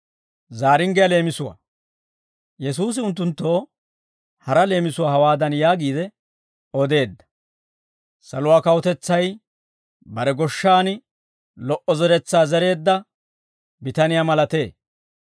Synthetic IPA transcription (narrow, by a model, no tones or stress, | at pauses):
zaːɾɪŋɡɛjɐle̞ːmɪsʊwa̰ | jɛs̬uːs̬ɪʊnt̪ːʊnt̪ːo̞ː | hɐɾɐle̞ːmɪsʊwaːhɐwaːd̪ɐnjaːɡiːd̪ɛ | ɔd̪e̞ːd̪ːɐ̥ | sɐlʊwaːkɐwɔt̪ɛt͡sːɐj | bɐɾɛɡɔʃːaːnɪ | lɔʔɔzɛɾɛt͡sːaːzɛɾe̞ːd̪ːɐ | bɪt̪ɐnɪjamɐlɐt̪e̞ː